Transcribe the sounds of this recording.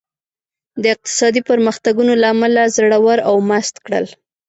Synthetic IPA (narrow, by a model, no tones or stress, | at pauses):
d̪əɪq̚t̪ɪ̥sɑd̪ipəɾməxt̪aɡunolaːmalazaɽawaɾawmast̪kɽə̰l